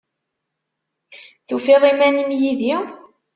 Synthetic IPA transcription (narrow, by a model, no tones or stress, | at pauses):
θufeðˤimænimjiði